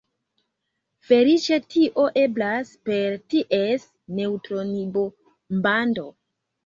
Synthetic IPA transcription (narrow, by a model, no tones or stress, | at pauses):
fe̞lit͡ʃe̞tʰiʔo̞ʔe̞blaspe̞ɾtiʔe̞s | ne̞utɾonibo | mbando̞